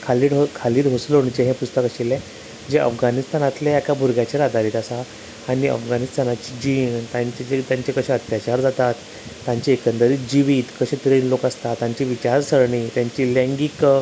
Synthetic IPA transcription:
kʰaliːɽɦokʰaliːɾɦosloɳt͡ɕẽɦɛ̃pust̪əkaɕilẽ | d͡ʑeʔə̰fɡanist̪anat̪leakabʱuɾɡat͡ɕeɾad̪ʱaɾiːt̪asaː | ɽ̃iə̰fɡanist̪anat͡ɕid͡ʑint̪aɲt͡ɕeet̪jaɲt͡ɕekəɕɛ̃ət̪jat͡ɕaɾd͡zat̪at̪ː | ãɲt͡ɕeekənd̪əɾiːd͡ʑiʋiːt̪kəɕɛ̃t̪əɾinlokast̪at̪ːãɲt͡ɕiʋit͡ɕaɾsəɾɳiːt̪jãɲt͡ɕiːlɛ̃ŋɡik

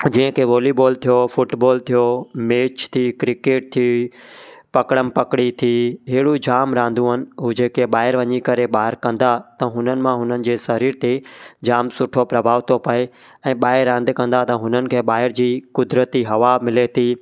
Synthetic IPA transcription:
d͡ʑĩːɦə̃kʰeʋoːliboːlt̪ʰijofʊʈboːlt̪ʰijomeːt͡ɕt̪ʰiːkɾɪkeːʈ̚t̪ʰii | pɐkɽəmɪ̆pɐkɽit̪ʰiːɦɪɪɽud͡ʑaːmɾãːn̆d̪ũɦənɪ̆ɦʊd͡ʑeːkeɓaːɦɪɾʋɐɲikɐɾeɓaːɦɪɾkɐ̃n̆d̪at̪ɐɦʊnənɪ̆mãɦʊnənɪ̆d͡ʑeːsɐɾiːɾt̪ed͡ʑaːmsʊʈʰopɾɐbʱaːʋt̪ʰopɐe | ɛ̃ːɓaːɦɪɾːãːnd̪ekɐ̃nd̪at̪ɐɦʊnənɪ̆kʰeːɓaːɦɪɾd͡ʑiːkʊd̪ɾət̪iɦɐʋamɪlet̪ʰiː

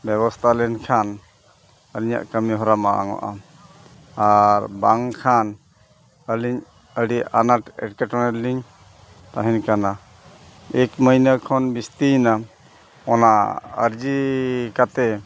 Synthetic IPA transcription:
bɛβɔst̪ʰalɛnkʰan | əliɲa̰ʔkəmiɦɔɾamaa̰ŋɔ̰ʔa | aɾbaŋkʰan | əliɲ | əɽiʔanaʈɛ̰ʈkɛʈɔnɛlːiɲ | t̪aɦɛ̃nkana | ɛkməjnəkʰɔnbist̪ina | ɔnaə̰ɾd͡ʒikat̪ɛ

